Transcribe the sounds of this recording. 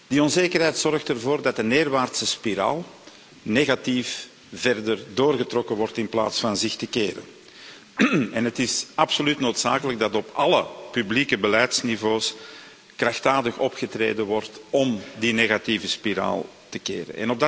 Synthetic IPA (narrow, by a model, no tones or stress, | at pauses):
d̥iɔnzeːkərɦɛjtsɔrxtərvoːrdɑt̚dəneːrʋaːrtsəspiɾa̰ːlˠ | neːɣatif | vɛrdərdoːrɣətrɔkəʋɔrtɪnpla̰ːtsfɑnzɪxtəkeːɾə̰n | ɛnɦətɪsɑpsolytnoːtsa̰ːkələɡ̚dɑtɔpɑləpyblikəbəlɛjtsnivoːs | krɑxtaːdəxɔpxətrḛːdəʋɔrtɔmdineːɣatiːvəspiɾa̰ːlˠ | təkḛːɾə̰nʔɛ̰nɔbdɑ